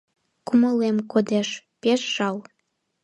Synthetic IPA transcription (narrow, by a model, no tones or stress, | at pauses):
kuməlemkod̪eʃ | peʃʒ̥ɑl